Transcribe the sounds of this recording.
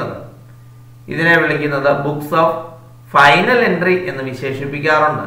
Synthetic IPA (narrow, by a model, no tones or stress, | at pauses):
ɐðɨ̰ | ḭðine̞ʋiɭikʲːunːɐðɨbuksoːf | fɐjnɐle̞nɖriʔe̞nːɨʋiɕe̞ːʂipːikʲːaːruɳɖɨ̰